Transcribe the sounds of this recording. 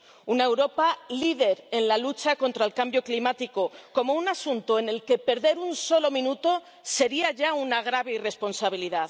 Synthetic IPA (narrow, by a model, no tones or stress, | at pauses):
unae̞wɾo̞paliðe̞ɾe̞nlalut͡ʃako̞nt̪ɾaelkambjo̞klimat̪iko̞ko̞mo̞unasunt̪oe̞ne̞lke̞pe̞ɾðeɾunso̞lo̞mĩnut̪o̞ | se̞ɾiaʝaunaɣ̞ɾaβe̞ire̞spo̞nsaβ̞iliðað